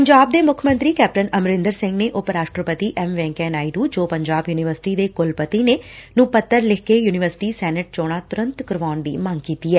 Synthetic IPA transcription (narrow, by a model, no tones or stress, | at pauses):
pəɲd͡ʒaːb̚d̪eːmʊkʰmə̃nt̪ɾiːkɛːp̚ʈənəmɾɪ̃nd̪əɾsɪ̃ŋɡneːʔʊpɾaːʃʈɾəpət̪iːʔɛːmʋɛ̃ːŋkɛ̃ːnaːiɖuːd͡ʒoːpəɲd͡ʒaːbjuːnɪʋəɾsɪ̥ʈiːd̪eːkʊlpət̪iːneːnũːpət̪ːəɾlɪkʰkeːjuːnɪʋəɾsɪ̥ʈiːsɛːnəʈ̚t͡ʃoːɽ̃aːt̪ʊɾə̃nt̪kəɾʋaːnʋiːməŋɡkiːt̪iːɛː